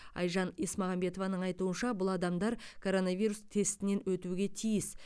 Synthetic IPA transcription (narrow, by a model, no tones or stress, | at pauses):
ɑ̰jʒɑnismɑʁɑmbe̞t̪o̞vɑnəɴɑjt̪uənʃɑbʊlˠɑd̪ɑmd̪ɑɾkʰo̞ɾo̞nɑvʲijɾust̪ʰe̞st̪ɪne̞nwɵt̪uɡʲe̞t̪ʰijɪs